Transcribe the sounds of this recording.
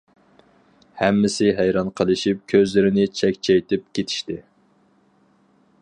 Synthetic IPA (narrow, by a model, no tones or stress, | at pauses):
hɛmːɪsɪɦæjɾɑnqʰəlˠɨʃip̚kʲʰøzlɪɾɪnɪt͡ʃʰɛkʲt͡ʃʰɛjt̪ʰɪp̚kʲet̪ʰi̥ʃt̪ɪ